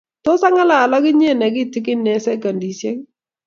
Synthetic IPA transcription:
tɔ˦sa˦ŋa˦laː˨la˦kɪ˦ɲɛ˦˨nɛ˨k̬i˦tɪ˦kɪ˦nɛ˨sɛ˦ka˨ndi˨sjɛ˦ŋ

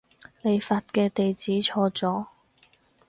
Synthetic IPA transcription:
le˨˧jfaː˧t̚kɛː˧t̪e˨jt͡siː˨˥t͡ʃʰɔː˧t͡sɔː˨˥

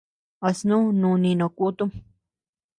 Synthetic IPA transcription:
a˧snũ˦nũ˧nĩ˧nõ˨ku˦t̪u˦

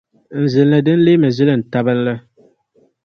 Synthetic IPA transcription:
n̩˨zɨ˨n˦lɨ˦dɨ˦n̩˦leː˦mɨ˨zɪ˦lɨ˦˨n̩˨ta˦bɨ˦n̩˦lɨ˦

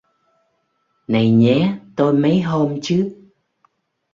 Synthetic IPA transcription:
na˨˩jɲɛ˨˦t̪o˧jmə˨˦jɦo˧mt͡ɕɨ˦˥k̚

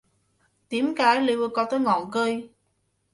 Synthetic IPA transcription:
t̪i˨˦əmkaː˨˦jli˧wə˧kɔ˨˦t̪əː˨˦jŋɔ̰˧˨nkəː˧j

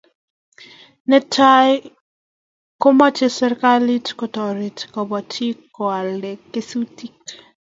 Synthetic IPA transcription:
nɛ˦tʰa˦j | ko˦mɔ˦t͡ʃe˦sɛ˦ɾka˦li˦tkɔ˨tɔ˨ɾi˨tkɔ˨bɔ˨tʰi˦kːo˨a˨le˨kːe˦su˦ti˦k

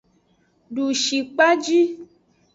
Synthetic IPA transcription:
ɖu˨ʃi˨k͡pa˦d͡ʒi˦

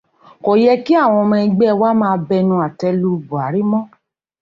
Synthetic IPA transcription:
ko˨jɛ˧ki˦a˦˨w̃ɔ̃˧mɛ̃˧ĩ˧ɡ͡bɛ˦˧wa˦mãː˦˧bɛ˧nũ˧a˨tɛ˧lu˧bu˨a˨˦ɾi˦mɔ̃˦

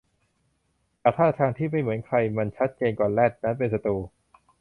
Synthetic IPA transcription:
t̪ɛː˨˩t̪ʰaː˥˩a˧t̪ʰaː˧ŋt̪ʰiː˥˩ma˥˩jmɯ˩˦ənkʰɾa˧jma˧nt͡ɕʰa˦˥t̪̚t͡ɕeː˧nkɔː˨˩nlɛː˥˩t̪̚na˦˥npe˧ns̬a˧t̪uː˧

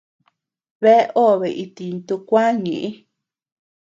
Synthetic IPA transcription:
βe˦ʔo˦˨βe˨ʔi˧t̪i˨˧nt̪u˧kʷã˦ɲĩ˨ʔĩ˦

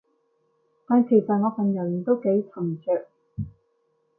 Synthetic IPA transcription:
t̪aː˨˧nkʰe˨˩jsɐ˨ŋɔː˨˧fɐ˨˧njɐ˨˩˨t̪o˥wke˨˥jt͡sʰɐ˨˩ŋt͡ʃʰœː˨k̚

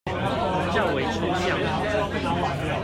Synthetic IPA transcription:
t͡ɕjɑ˥˨ʊwe˨˦ɪʈ͡ʂʰo˥ŋɕja˥˨˩ŋ˨

